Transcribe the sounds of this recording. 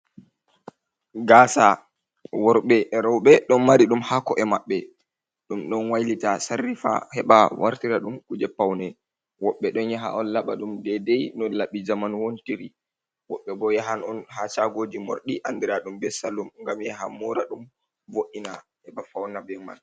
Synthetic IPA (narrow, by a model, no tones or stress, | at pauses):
ɡaːsa | wɔɾɓɛʔɛɾɔwɓɛɗɔnmaɾiɗumhakɔʔɛmaɓːɛ | ɗumɗɔnwajlitasarːifa̰hɛɓawaɾtiɾaɗumkud͡ʒɛpːawnɛ | wɔɓːɛɗɔnjaɦa̰ʔɔnlaɓaɗumdɛdɛjnɔlaɓid͡ʒamanwontiɾi | wɔɓːɛbɔjaɦanɔnɦat͡ʃaɡod͡ʒimo̰ɾɗiʔandɛɾaɗumbɛsalːumŋɡamjaɦamɔɾaɗum | voʔina | hɛɓafawnabɛma̰l